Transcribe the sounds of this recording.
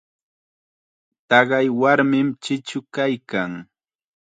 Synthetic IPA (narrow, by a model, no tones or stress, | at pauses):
t̪ɑɢɑjwaɾmɪmt͡ʃɪt͡ʃʊkajkaŋ